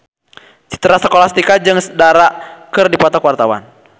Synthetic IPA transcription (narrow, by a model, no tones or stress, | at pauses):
t͡ʃi̥t̪əɾasə̥kolast̪ikad͡ʒɨŋsə̥daɾakɨrdipɔt̪ɔkwart̪awa̰n